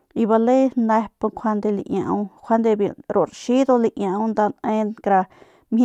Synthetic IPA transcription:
i˧βa˧le˦nã˧po˧kʷʰa˧nd̪e˧lḭ˧ʔɲã̰˧ũ˧kʰʷa˦nd̪e˧bjḭ˧˨ɾo˨ɾʃi˦d̪o˧li˧ʔɲã˧ũ˧nd̪a˧nẽ˧kɾa˧ | mʲ˧

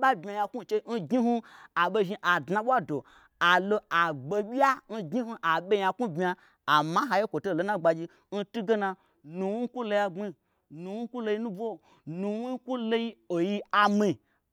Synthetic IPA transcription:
ɓa˦bʲmʲi˧a˨ja˧ku˦˨t͡ʃe˧˦n̩˦ɡi˦ɦu˧a˨ɓe˧ʒi˧ʔa˨dna˧ɓʷa˦do˨ | a˨lo˧a˨ɡ͡be˧ɓʲi˦a˦n̩˦ɡi˦ɦu˧ʔa˨ɓe˧ja˧ku˦bmʲ˧a˧ | a˨ma˦ɦa˧je˦kʷo˨to˦˨lo˨˦nã˦ɡ͡ba˧d͡ʒi˧ | n̩˦tu˦ɡe˦na˧ | nu˧wi˦ku˦lo˧ja˧ɡ͡bi˧ | nu˨˧wi˦ku˦lo˧ji˧˦nũ˦bo˦˨ | nu˧wi˦ku˦lo˧ji˦o˨ji˦a˨mi˧˨

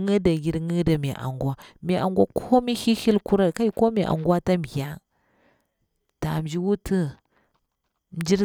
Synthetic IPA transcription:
ŋə˦da˨ɡi˨ɾŋə˦da˨mi˨ʔa̰˨ŋɡʷa˦mi˨ʔa̰˨ŋɡwa˦kʰo˦mi˦hi˦hi˦lku˦ɾa˦˨ka˦i˦ko˦mi˨ʔa̰˨ŋɡwa˦ta˦m˨ɡa˦ŋ | ta˨m˨d͡ʒi˦wu˦tə˦ | m̩˨˦d͡ʒi˦ɾ

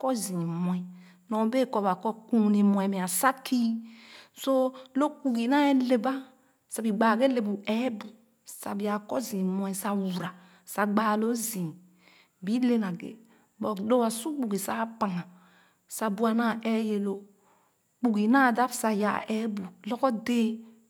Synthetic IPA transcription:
kɔ˦zĩ˨mɔ˨ĩ˨ | nɔ˨˦be˦˨kɔ˨ba˨kɔ˦kũ˦ne˨mɔ̃˨ɛ̃˨me˨a˨sa˦kʰi˦so˦lo˦k͡pu˨ɡi˨na˦e˦le˨ba˦ | sa˨bi˨ɡ͡baː˨ɡe˦le˨bu˨ɛ˦bu˨ | sa̰˨bi˨a˨kɔ˦zĩ˨mɔ˨˦i˨sa˨wu˨ɾa˨ | sa˨ɡ͡baː˦˨lo˦zĩ˨ | bi˦le˦na˨ɡḛ˨ | bɔ˨do˦a˨su˦k͡pu˨ɡi˨sa˦pa˨ŋa˨ | sa˨bu˨˦a˨na˦˨ɛ˦je˨lo˦ | k͡pu˨ɡi˨na˦˨da˦bsa˨ja̰˨ʔɛ˨˦bu˨lɔ˦kɔ˦deː˦

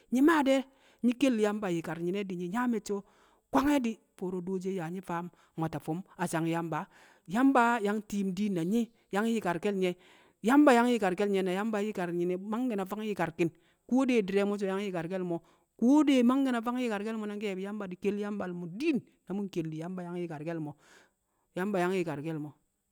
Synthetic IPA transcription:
ɲi˦ma˦˨de˦ | ɲi˦ke˦lːja˦mba˨ji˨ka˨ɾɲi˨ne˦di˨ɲi˨ɲa˦me˨t͡ʃo˦ | kʷa˦ŋe˦di˦ | fo˨ɾo˨do˦d͡ʒe˦ja˨ɲi˦fa˦m | mʷa˨ta˨fo˦ma˨t͡ʃa˨ŋja˦mba˨ | ja˦mba˦ja˦ŋti˦˨mdi˦nːa˨ɲi˦ | ja˦ŋji˦ka˨ɾke˦lɲe˦ | ja˦mba˨˦ja˦ŋji˦ka˨ɾke˦lɲe˨˦na˨ja˦mba˨˦ji˦ka˨ɾɲi˨ne˨ma˦ŋɡi˨na˨fa˦ŋ˦ji˦ka˨ɾki˨n | ku˦de˨di˨ɾe˨˦mo˦t͡ʃ̬o˨ja˦ŋ˦i˦ka˨ɾke˦lmo˨ | ku˦de˦ma˦ŋɡi˦na˨fa˦ŋ˦ji˦ka˨ɾke˦lmo˦na˦ŋke˦e˨bi˨˦ja˦mba˨di˨ke˦la˦mba˨lmu˨di˦nːa˨mu˦nke˨ldi˨ja˦mba˨ja˦ŋji˦ka˨ɾke˦lmo˨ | ja˦mba˨ja˦ŋ˦ji˨ka˨ɾke˦lmo˨

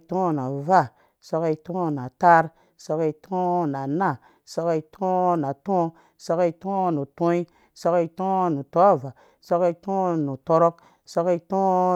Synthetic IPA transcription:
tõ˦na˨va˦˨ | so˦ki˦˧to˦na˨ta˦ɾ | so˧ke˧i˦tʰo˦na˨na˦˨ | so˧ke˧i˦tʰõ˦na˨tõ˦ | so˦ki˦tõ˦nu˨tõ˦i˦ | so˦ki˦˧to˦nu˨to˦a˦˨va˨ | so˦ktõ˦nu˨to˧ɾo˦k̚ | so˦ki˦tõ˦

